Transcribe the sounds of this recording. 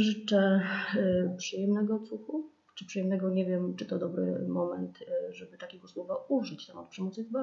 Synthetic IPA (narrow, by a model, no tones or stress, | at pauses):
ʐɘt͡ʂɛ | pʂɨjɛmnɛɡɔt̪suxu | t͡ʂɘpʂɨjɛmnɛɡɔɲɛvʲjɛmt͡ʂɘt̪ɔd̪ɔbɾɘ̰mɔmɛnt̪ʐɛbɘt̪akʲɛɡɔswɔvauʐɘt͡ɕt̪amɔt̪̚pʂɛmɔt̪sɨvba